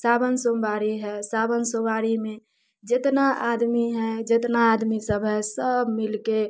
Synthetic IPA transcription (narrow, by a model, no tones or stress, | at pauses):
sabənsombaɾiɦɛsabənsobaɾimẽ | d͡ʒet̪naʔad̪miɦɛd͡ʒet̪naːd̪misəbʱɦɛsəbmilke